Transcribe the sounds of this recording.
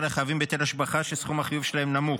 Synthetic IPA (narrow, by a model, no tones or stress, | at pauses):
leχajavimbet̪elhaʃbaχaʃesχumaχijuvʃelahemnamu